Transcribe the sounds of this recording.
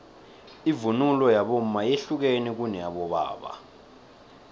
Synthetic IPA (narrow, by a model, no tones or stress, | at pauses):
ivunulɔjaɓom̩majeɬuk̬enik̬unɛjaɓɔɓa̰ːɓa̰